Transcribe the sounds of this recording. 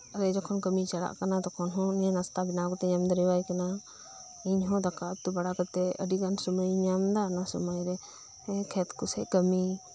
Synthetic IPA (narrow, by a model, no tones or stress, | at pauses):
əlɛd͡ʒɔkʰɔnkəmit͡ʃaɽa̰ʔkanad̪ɔkʰɔnɦɔ̃nɛɛnast̪abinakɔt̪ɛɲamd̪əɾɛwajkana | iɲɦɔ̃d̪akat̪ubaɽakət̪ɛəɖikansuməjɲamd̪anasɔməjɾɛ | kʰɛt̪kusɛ̰ʔ̚kəmi